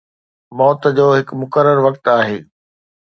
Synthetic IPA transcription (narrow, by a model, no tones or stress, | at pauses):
mɔːt̪d͡ʑoːɦɪkmʊkəɾəɾʋɐkt̪aːɦeː